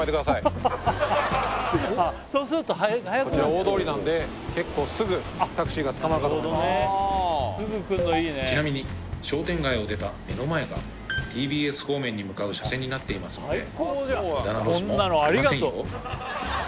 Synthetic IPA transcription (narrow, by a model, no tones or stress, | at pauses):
maet̪ekd̪asai | a | so̞ːsɨɾɯ̟t̪o̞ɦahajakɾaod̪o̞ːɾʲinãnd̪e̞ | ke̞kːo̞ːsɨɡɯ̟ | at̪akɯ̟ɕiɡat͡sɨ̥kamanakaod̪one | ssɨɡɯ̟kɯ̟nd̪oiːnet͡ɕinamʲiɲ̟iɕo̞ːt̪ẽ̞ŋɡaio̞d̪e̞t̪ame̞no̞mae̞ɡa̰ | t̪ʰʲiːbʲiːe̞sɨ̥ho̞ːmẽ̞ɲ̟ːimɯ̟kaɯ̟ɕasẽ̞ɲ̟ːinat̪ːe̞imasɨnoekoad̪anaɾõnːanoaɾʲiɡaẽt̪o